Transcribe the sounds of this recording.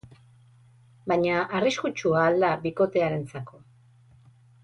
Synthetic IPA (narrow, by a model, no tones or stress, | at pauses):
baɲaʔariskut͡ʃuaːld̪abiko̞t̪e̞aɾe̞nt͡sako̞